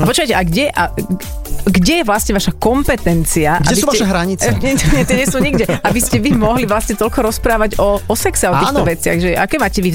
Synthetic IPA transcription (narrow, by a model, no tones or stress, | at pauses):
apɔt͡ʃʊkajcɛʔaɡɟɛʔa | ɡɟɛjɛʋlast̪ɲɛʋaʃakɔmpɛt̪ɛnt͡siaʔɡɡa̰ɛsbisːaʃɛɦɾaɲit͡sɛt̪ɛɲɛt̪ɪɛɲɛsuːɲiɡɟɛabiscɛʋimɔɦliʋlastɲɛt̪ɔlkɔɾɔspɾaːʋaɟɔɔsɛksɛɔt̪iːnɔʋɛt͡sɪa̰ɣʒɛʔa̰kɛːmaːcɛʋi